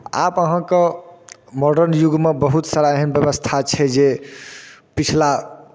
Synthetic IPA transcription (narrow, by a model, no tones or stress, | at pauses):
a̰pəɦãkə̃ | mɔɖəɾnjuɡmebəɦut̪saɾaeɦənbjəbəst̪ʰat͡ʃʰɛd͡ʒe | pit͡ʃʰla